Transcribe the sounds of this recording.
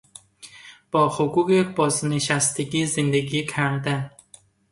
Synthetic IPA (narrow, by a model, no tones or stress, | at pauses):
b̥ɒːxoɡuːɡebɒːzneʃæst̪eɡiːzend̪eɡiːcʰæɾd̪æn